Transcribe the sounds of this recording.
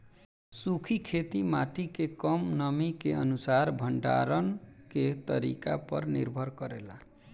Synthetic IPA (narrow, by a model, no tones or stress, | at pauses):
sukʰikʰet̪imaʈikekʌmnʌmikeənusaɾbʱəɳɖa̰ɾənket̪ʌɾḭka̰pʌ̰ɾnḭɾbʱʌɾkʌɾela